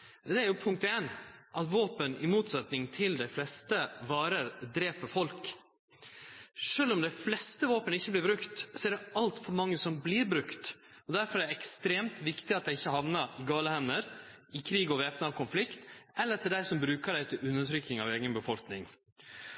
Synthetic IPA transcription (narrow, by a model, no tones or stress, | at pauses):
d̪ɛæɾjʊpʰʊŋk̚t̪eːnʔɑt̪ʋoːpənɪmuːt̪sɑt̪nɪŋt̪ʰɪld̪æɪflɛst̪əʋɑːɾəɾd̪ɾeːpəfɔlk | ʂøːlɔmd̪æɪflɛst̪əʋoːpənɪçːəblɪbɾʉkt̪sɔɛɾɖ̪ɛɑlt̪fɔɾmɑŋːəsɔmbliːɾbɾʉkt̪ɔd̪æɾfɔɾɛɛɾɛkst̪ɾeːmt̪ʋɪkt̪ɪɑt̪̚d̪æɪɪçːəhɑʋnɑɾɪɡɑːləhɛmnəɾ | ɪkʰɾiːɡɔʋeːpnɑʋkʰʊnflɪkt̪ɛlːəɾt̪ʰɪld̪æɪsɔmbɾʉːkəɖ̪æɪt̪ʰɪlʉnːəʈʰɾʏk̪ːɪŋɑʋeːɡənbəfɔlknɪŋ